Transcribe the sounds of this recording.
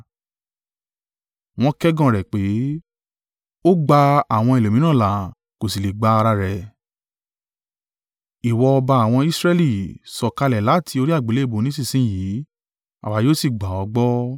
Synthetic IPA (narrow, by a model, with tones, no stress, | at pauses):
w̃ɔ̃˦kɛ˦ɡã˦˨ɾɛ˨k͡pe˨˦ | o˦ɡ͡ba˧a˨w̃ɔ̃˧i˨lo˨mĩ˦nã˦˨la˨ | ko˨si˨le˨ɡ͡ba˧a˧ɾa˧ɾɛ˨ | i˨wɔ˧ɔ˧ba˧a˨w̃ɔ̃˧i˦sɾɛ˦li˦˨sɔ˨ka˧lɛ˨la˨˦˨tʰi˧o˧ɾi˦a˦˨ɡ͡be˨le˦˨bo˨˦nĩ˦s̬i˦˨sĩ˦˨ji˨˦ | a̰˨wa˨˦joː˦si˦˨ɡ͡ba˨ɔ˧ɡ͡bɔ˦